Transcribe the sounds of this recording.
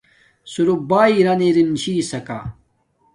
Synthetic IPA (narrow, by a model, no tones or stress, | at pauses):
suɾubaːiɾɐniɾint͡ɕiːsɐka̰